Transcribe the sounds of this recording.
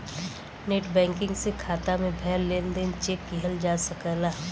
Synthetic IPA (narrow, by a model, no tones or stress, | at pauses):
neːʈbɛ̃ːŋkɪ̃ŋɡsekʰaːt̪amẽbʱɛːlːeːnd̪ent͡ʃeːkːiɦəld͡ʒaːsəkəlaː